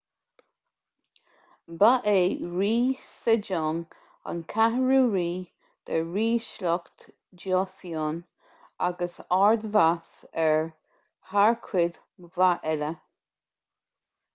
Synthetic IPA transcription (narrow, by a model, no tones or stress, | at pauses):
baʔeːɹiːsɪd͡ʒɔŋ | a̰nkʰahɹuːɹiː | d̪̥əɹiːʃlɔkt̪ | d͡ʒɔsiɔːn | a̰ɡəsaɹd̪vasɛɹ | haɹkʰwɪd̪ | vaʔɛlə